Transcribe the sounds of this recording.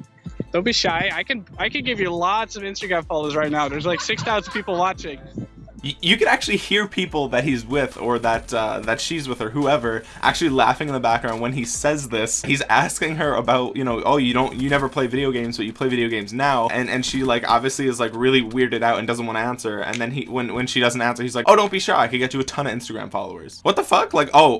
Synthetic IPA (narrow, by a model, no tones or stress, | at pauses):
d̥õʊ̃nbiʃaɪaɪkɨ̃naɪkɨ̃nɡɪvjɨlɑtsʌvɪ̃nstəɡɹæ̃ɱfɑlˠoʊzɹaɪtⁿnaʊðə˞zlaɪksɪksθaʊ̃zn̩pʰipl̩ˠwɑt͡ʃɪ̃ŋjjɨkɨ̃ɾæk̚t͡ʃʉl̩ˠihiɹpʰipl̩ˠðɨt̚hizwɪðə̰˞ðɨtʌ̰ðɨtʃizwəð̥ə˞ɦuɛvə˞ | ʔæ̰k̚t͡ʃʉl̩ˠilæ̰fɪ̃ŋɨ̃nðəbæk̚ɡ̥ɹãʊ̃ndwɨ̃nisɛzðɪshizæ̰skɪ̃ŋə˞ʔəbaʊtjɨñoʊʔo̰ʊjɨɾõʊ̃nɨnɛvə˞pʰl̥eɪvɪɾioʊɡẽɪ̃mzbʌt͡ʃɨpʰl̥eɪvɪɾioʊɡẽɪ̃mznaʊʔɨ̃nɨ̰̃nʃilaɪkɑ̰bviɨsliɨzlaɪkɹɪlˠiwɪɹɾɨɾaʊɾɨ̃ndʌzn̩ʔwɑ̃nəæ̃nsə˞ɨ̰̃nðɨ̃niwə̃nwɨ̃nʃidʌzn̩tæ̃nsə˞hizlaɪkoʊɾoʊ̃nb̥iʃʊ̰ɹaɪkɨd̚ɡɛt͡ʃɨːtʰʌ̃ñɨɪ̃nstɨɡɹæ̰̃ɱfɑ̰lˠoʊə̰˞z̥wʌt̪̚ðəfʌklaɪkoʊ